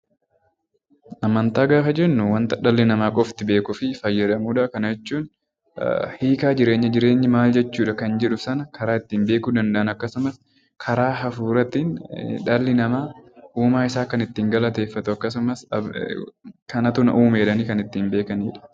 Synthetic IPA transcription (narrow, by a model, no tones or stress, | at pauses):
ʔɐmɐnt̪aːɡaːfɐd͡ʒɛnːʊwɐnt̪ɐᶑɐlːɪnɐmaːkʼɔft̪ɪbe̞ːkʊfɪfɐjːɐd̪ɐmuːᶑɐʔkɐnɐd͡ʒɛt͡ʃːuːn | hiːkaːd͡ʒɪɾe̞ːɲːɐd͡ʒɪɾe̞ːɲːɪmaːld͡ʒɛt͡ʃːuːᶑɐkɐnd͡ʒɛᶑʊsɐnɐkʰɐɾaːɪt̪ːiːmbeːkʊd̪ɐnd̪ɐʔɐnɐkːɐsʊmɐs | kʰɐɾaːɦɐfuːɾɐt̪iːnᶑɐlːɪnɐmaːʔuːmaːɪsaːkɐnɪt̪ːiːŋɡɐlɐt̪eːfːɐt̪ʊɐkːɐs̬ʊmɐs | kɐnɐt̪ʊnɐʔuːmeːᶑɐniːkɐnɪt̪ːiːmbeːkɐniːᶑɐ̥